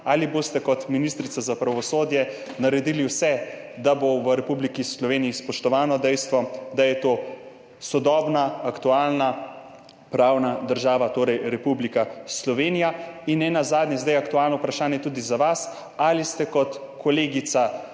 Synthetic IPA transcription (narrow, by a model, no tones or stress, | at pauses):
aliboːst̪ɛkɔt̪minist̪ɾit̪sazapɾaʋɔsoːd̪jɛ | naɾɛd̪iliwsɛ | d̪aboʋəɾɛpublikislɔʋeːnijispɔʃt̪ɔʋaːnɔd̪ɛjst̪ʋɔd̪ajɛt̪o | sɔd̪ɔːbnaːkt̪ualna | pɾawnad̪əɾʒaːʋat̪oːɾɛjɾɛpublikaslɔʋeːnijainːɛnazaːd̪nɲɛzd̪ajakt̪uaːlnɔwpɾaʃaːnjɛt̪uːd̪izaʋas | alist̪ɛkɔt̪ | kɔleːɡit̪sa